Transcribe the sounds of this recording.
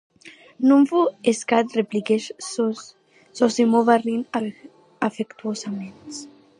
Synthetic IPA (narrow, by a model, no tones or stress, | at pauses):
nũɱfueskat̪replikeʃ | sosimovarina | afekt̪uosament̪s